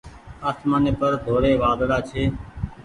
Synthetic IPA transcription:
aːsmaːneːpəɾd̪ʱoːɽeːʋaːd̪ɽaːt͡ʃʰeː

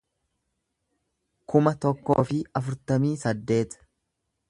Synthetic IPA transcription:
kʊmɐt̪ɔkːo̰ːfɪɐfʊɾt̪ɐmiːsɐd̪ːe̞ːt̪

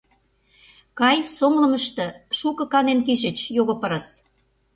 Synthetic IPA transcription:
kɑjsoŋlə̆məʃt̪ɤ̆ʃukɤ̆kɑnenkiʃə̆t͡ɕjoɣŏpə̆ɾə̆s

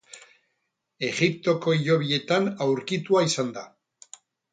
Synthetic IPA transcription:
e̞ɣip̚t̪o̞ko̞iʎo̞β̞ie̞t̪anawɾkit̪uaisand̪a

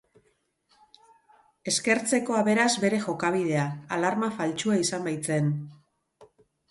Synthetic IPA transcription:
e̞ske̞ɾt͡se̞ko̞aβe̞ɾazβe̞ɾe̞xo̞kaβ̞ið̞e̞aalaɾmafalt͡ʃuaisambajt͡se̞n

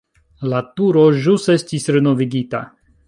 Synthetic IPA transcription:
latuɾo̞ʒuse̞stisɾeno̞viɡita̰

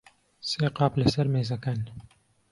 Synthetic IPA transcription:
seːqɑːplɐsɐɾmeːzɐkɐn

